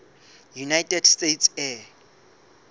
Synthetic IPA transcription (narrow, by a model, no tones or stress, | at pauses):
junajtʼɛdstetsɛ